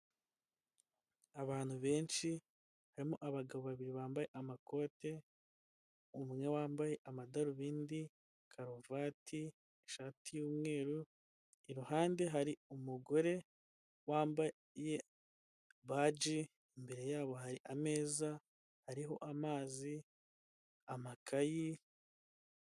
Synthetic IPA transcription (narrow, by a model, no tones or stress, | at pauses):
aβaːn̥huβe̞ːnʃi | haɾimoʔaβaɡaβoβaβiɾiβaːmbaje̞ʔamako̞ːte̞ | umŋŋe̞waːmbaje̞ʔamadaɾuβiːndi | kʰaɾovaːtʰi | eʃaːtʰijuːmŋe̞ːɾu | iɾuhaːnde̞ɦaɾiumuɡo̞ɾe̞ | waːmba | je̞ | βaːd͡ʒi | imbe̞ɾe̞jaːβo̞ɦaɾiʔame̞ːza | haɾiɦo̞̰ʔamaːzi | amakʰaji